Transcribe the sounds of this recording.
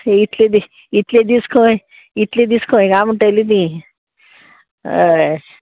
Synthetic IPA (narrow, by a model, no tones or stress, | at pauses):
it̪led̪i | it̪led̪iskʰoj | it̪led̪iskʰõɡamuʈelid̪ĩ